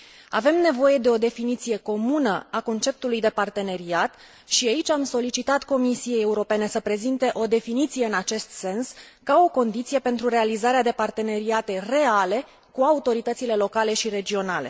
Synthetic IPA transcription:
a̰ve̞mne̞vo̞je̞d̪e̞o̞d̪e̞finit̪sije̞ko̞munəako̞nt͡ʃe̞p̚t̪ulujd̪e̞part̪e̞ne̞ɾiat̪ | ʃiait͡ʃʲamso̞lit͡ʃit̪at̪ko̞misije̞jeuɾo̞pe̞ne̞səpɾe̞zint̪e̞ʔo̞d̪e̞finit̪sije̞ɨnat͡ʃe̞st̪se̞ns | kao̞ko̞nd̪it̪sije̞pe̞nt̪ɾuɾe̞alizaɾead̪e̞part̪e̞ne̞ɾiat̪e̞re̞ale̞ | kuaut̪o̞ɾit̪ət̪sile̞lo̞kale̞ʃiɾe̞d͡ʒio̞nale̞̰

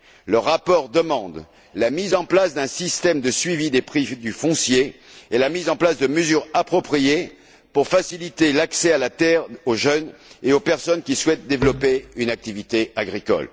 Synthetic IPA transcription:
ləʁapɔʁd̪əmɑ̃d̪ | lamizɑ̃plasd̪ɛ̃sist̪ɛmd̪əsɥivid̪epχid̪yfɔ̃sjeelamizɑ̃plasd̪əməzyʁapχɔpχije | puʁfasilit̪elaksɛalat̪ɛʁoʒœneopɛʁsɔnkʲiswɛt̪̚d̪evlɔpeynak̚t̪ivit̪eaɡʁikɔ̰l

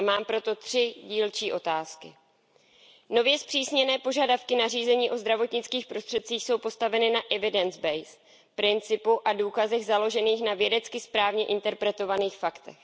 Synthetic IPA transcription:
maːmpɾo̞t̪o̞t̪r̝̥ɪɟiːlt͡ʃiːʔo̞t̪aːskɪ | no̞vjɛspr̥iːsɲɛnɛːpo̞ʒadafkɪnariːzɛɲiːʔo̞zd̪ɾavo̞t̪ɲɪt͡skiːxpɾo̞st̪r̥ɛt̪̚t͡siːxso̞wpo̞st̪avɛnɪnaʔɛvɪdɛnzbɛjs | pɾɪnt͡sɪpuʔaduːkazɛɣzalo̞ʒɛniːxnavjɛdɛt͡skɪspɾaːvɲɛʔɪnt̪ɛɾpɾɛt̪o̞vaniːxfakt̪ɛ̰x

